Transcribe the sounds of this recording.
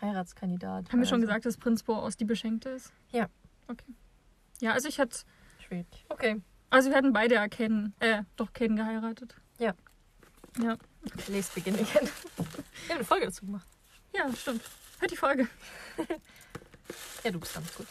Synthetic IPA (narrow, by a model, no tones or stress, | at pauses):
haɪʁaːtskʰandida̰ːthabm̩viɐʃoːnɡəzaːk̚td̥aspʁ̥ɪnt͡sb̥oːʔa̰ʊsd̥iːbəʃɛŋk̚təɪst | jaːʔokʰeː | jaːʔalzoɪçhatə̥ | ʃeːʔokʰeː | ʔalzoviɐhatn̩baɪɾəjaːkʰɛdnʔɛːd̥ɔχkʰɛːdn̩ɡəhaɪʁaːtət | jaː | jaːoleːstb̥əɡɪnəɡʰɛn̥ | amnəfɔlɡədat͡suːɡəmaχt | jaːʃtɪmthøɐtd̥ifɔlɡə | jaːduːbɪstɡ̥a̰nt͡ssɡ̥uːt